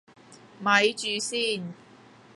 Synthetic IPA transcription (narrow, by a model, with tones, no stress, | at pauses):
mɐ˨˧jt͡ʃyː˨˧siː˥˩n